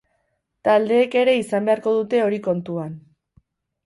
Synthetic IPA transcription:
t̪ald̪e̞ːke̞ɾe̞isambe̞aɾko̞ðut̪e̞o̞ɾiko̞nt̪uan

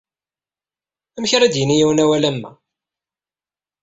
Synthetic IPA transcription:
æmçɾæd̪jənijiwnæwælæmːæ̰

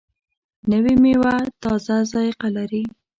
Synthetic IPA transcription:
nəwimewat̪ɑzazɑjɪqalaɾi

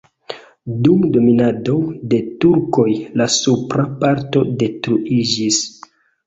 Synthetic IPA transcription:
dumdo̞minadode̞tuɾko̞jlasupɾapaɾto̞de̞tɾuʔid͡ʒis

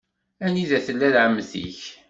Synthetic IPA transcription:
æniðæθəlːælʕəmːθḭç

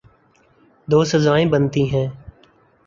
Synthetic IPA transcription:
d̪oːsəzaːẽːbənt̪iːɦɛ̃ː

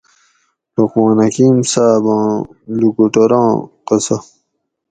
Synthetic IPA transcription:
loqmɑ̃ːnɐkiːmsaːbɑ̃ːlukuʈoɾɑ̃ːqɐsɐ

